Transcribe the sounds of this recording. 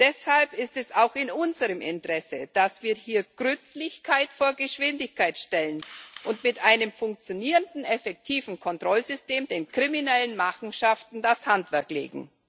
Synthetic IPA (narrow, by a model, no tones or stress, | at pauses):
d̥ɛshalpɪstɛsaʊxɪnʔʊnzəʁəmɪ̰ntʁ̥ɛsəd̥asv̥iːɐhiːɐɡ̥ʁʏntlɪçkʰaɪtfoːɐɡəʃv̥ɪndɪçkʰaɪtʃtɛlənʔʊntmɪtʔaɪnəmfʊŋk̚t͡sjoniːʁəndn̩ɛfɛk̚tʰiːvn̩kʰɔntʁ̥ɔlzʏsteːmdeːnkʁ̥iminɛlənmaχn̩ʃaftn̩dashantv̥ɛɐklḛːɡŋ̩